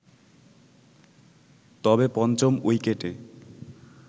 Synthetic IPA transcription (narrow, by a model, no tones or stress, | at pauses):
t̪ɔbepɔnt͡ɕomojkeʈe